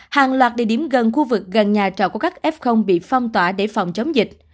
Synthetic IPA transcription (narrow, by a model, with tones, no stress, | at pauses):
haː˨ŋlwaː˨˩t̚ɗḛ˨˧˩ɗi˧˩əmɣə˨˩nxu˧vɨ˨˩k̚ɣə˨˩nɲaː˨˩t͡ɕɔ̰˧˨ku˧˩əka˦˥k̚ʔɛ˦˥p̚xə˧wŋ͡mɓḭ˧˨fa˧wŋ͡mt̪waː˧˩ɗe˧˩fa˨˩wŋ͡mt͡ɕə˨˦wŋ͡mzï˨˩k̟̚